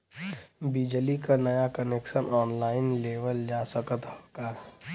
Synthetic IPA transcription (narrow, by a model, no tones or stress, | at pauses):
bid͡ʒəlikanɐjakənekʃənʔɔːnlaːɪnleːʋəld͡ʒaːsəkət̪ɦokaɦ